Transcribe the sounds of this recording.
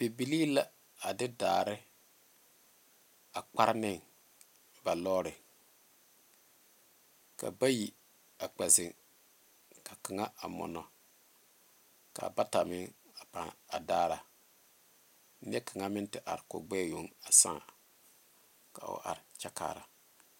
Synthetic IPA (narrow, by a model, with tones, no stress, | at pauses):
b̥e˨bi˨liː˦la˨ | a˨dɪ˦da̰ː˨ɾɪ˦ | a˨k͡pa˦ɾnɪ˦˨ŋ | ba˨lɔː˦ɾɪ˨ | ka̰˨ba˦ji˨ | a˨k͡pɛ˨zɪ˨ŋ | ka˨ka˨ŋa˦ʔa˨mɔ̰˨nɔ˨ | ka˨ba˦ta˨mɪ˦ŋa˨pa˨a˨daː˦ɾa˨ | nɪ˦ɛ˦ka˨ŋa˦mɪ˦n˦tɪ˦ʔa˨ɾɪ˨ko̰˨ɡ͡bɛ˦˨jo˨ŋa˨sã̰ː˦˨ | ka˨ʊ̰˨ʔa̰˨ɾɪ˨t͡ʃa˦ka̰ː˦˨ɾa˨